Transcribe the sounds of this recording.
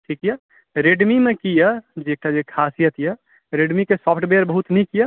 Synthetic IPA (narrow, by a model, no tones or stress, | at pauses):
ʈʰikjə | ɾeɖmimekijəd͡ʒeek̚ʈad͡ʒekʰasijət̪ʰjə | ɾeɖmikesɔpʰʈbeɾbəɦut̪nikijə